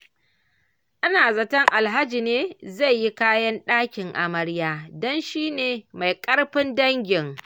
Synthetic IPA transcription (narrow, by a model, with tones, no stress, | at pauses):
ʔa˦naː˨zɐ˨tɐ˦ŋʔa˨lɦa˦d͡ʒi˨neː˦za˦˨jːi˦kaː˦jɐ˦nɗaː˦kʲɪ˨ŋʔa̰˨mɐ˦ɽjaː˦dɔ˦nʃiː˦neː˨ma˨jkʼɐ˦ɽɸɪ˦ndɐ˦ŋɡʲɪ˨ŋ